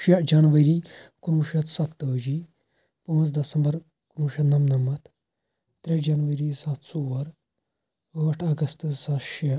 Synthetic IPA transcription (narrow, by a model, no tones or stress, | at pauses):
ʃɐd͡ʒanʋəɾiːkunuːʃɐt̪sɐt̪ːəːd͡ʒiː | pɐ̃ːnt͡sd̪ɐsɐmbɐɾ | knuːʃɐt̪nɐmnɐmɐt̪ʰ | t̪ɾed͡ʒanʋəɾisɐt̪soɐɾ | əːʈʰɐɡɐst̪sɐt̪ʃe